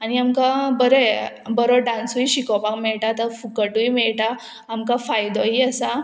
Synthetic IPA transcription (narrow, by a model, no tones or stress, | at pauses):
añiamkabəɾe | bəɾoɖãnsuiɕikɔpãkmɛɭʈat̪əɾfukəʈujmɛɭʈaː | mkafajd̪ɔɦiəsa